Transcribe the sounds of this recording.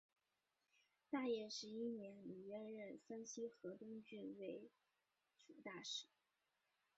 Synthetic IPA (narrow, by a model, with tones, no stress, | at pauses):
t̪a˥˧jɛ˥˩ʂɻ̩˧˥i˥njɛ˧˥nli˨˩ɥɛ˥˧nɻə˥˩nfə˥nɕi˥xɤ˧˥t̪ʊ˥ŋt͡ɕy˥˩nwe˧˥ɪ | ʈ͡ʂu˨˩˦t̪a˥˩ʂɻ̩˥˩˦